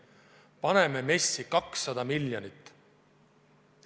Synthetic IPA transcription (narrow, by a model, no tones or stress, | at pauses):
pɑne̞me̞me̞sːikɑksːɑd̪ɑmiljonit̪ːˑ